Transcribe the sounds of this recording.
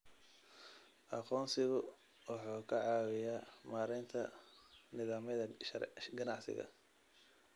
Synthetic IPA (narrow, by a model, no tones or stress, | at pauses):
ʔɑqɔːnsɪɣʊ | wɑħuːkʰɐʕɑːwɪjaːmaːɾɛnt̪ʰɐ̰nɪðaːmɐðɐɡɐnɑʕsɪ̰ɣɐ̰